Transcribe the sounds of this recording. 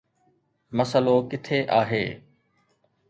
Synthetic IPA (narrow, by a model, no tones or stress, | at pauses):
məsəlokɪt̪ʰeːʔaːɦḛː